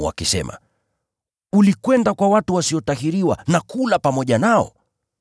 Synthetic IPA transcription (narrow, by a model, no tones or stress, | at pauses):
wa̰kisɛ̰ma̰ | ulikwɛndakwawatuwasiɔtahiɾiwanakulapamɔʄanaɔ̰